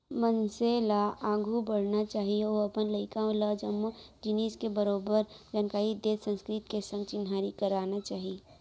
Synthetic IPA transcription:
mənselaaːɡʱubəɽ̤nat͡ʃaːɦieoɐpənləɪkãləd͡ʒəmːud͡ʒɪniːskebəɾoːbəɾd͡ʒaːnkaːɾid̪eːsə̃nskɾɪt̪kesə̃ŋɡt͡ʃɪnɦaːɾikəɾaːnat͡ʃaːɦie

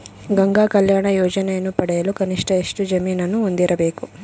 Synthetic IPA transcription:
ɡɐŋɡaːkɐljaːɳɐjɔːd͡ʒɐneːnupɐɽeːɐlukɐniʂʈɐeʂʈud͡ʒɐmiːnɐnuund̪iɾɐbeːku

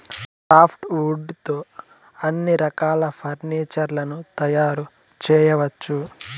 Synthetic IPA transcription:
saːpʰʈuːɖt̪o̞ː | ɐnːiɾɐkaːlɐpʰɐɾniːt͡ʃɐɾlɐnut̪ɐjaːɾu | t͡ʃɛːjɐʋɐt͡ʃːu

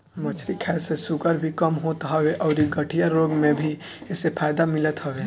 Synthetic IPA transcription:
mət͡ʃʰɾikʰɛːlsesʊɡəɾbʱikəmɦoːt̪ɦɔweʔɔːɾiɡəʈʰijaɾoːɡmẽbʱi | ɪsepʰaːɪd̪amɪlət̪ɦɔweː

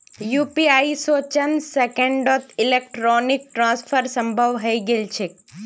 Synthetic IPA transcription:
jupiaisot͡ʃənsekə̃ɳɖɔt̪ʰilek̚ʈɾonik̚ʈɾãsfʰəɾsə̃mbʱəʋɦəiɡelt͡ʃʰe

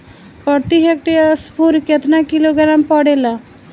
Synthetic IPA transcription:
pəɽt̪iɦek̚ʈespuɾket̪nakiloɡəɾampɔɽela

